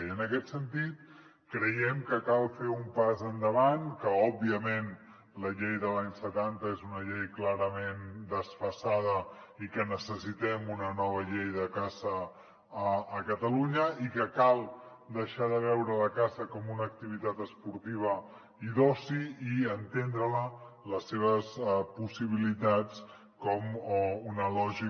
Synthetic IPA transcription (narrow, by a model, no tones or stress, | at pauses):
iənəkɛt̪sənt̪it̪̚ | kɾəjɛmkəkalˠfeumpazənd̪əβ̞ankəɔbiəmen | ləʎejðəlaɲsət̪ant̪əezunəʎejklaɾəmend̪əsfəsað̞əikənəsəsit̪ɛmunənɔβ̞əʎejðəkazəː | kət̪əluɲəikəkalˠ | d̪əʃaðəβɛwɾələkazəkɔmunək̚t̪iβ̞it̪at̪əspuɾt̪iβ̞ə | iðɔsiiənt̪end̪ɾələləsːeβ̞əspusiβ̞ilit̪at͡s | kɔmunəlɔʒi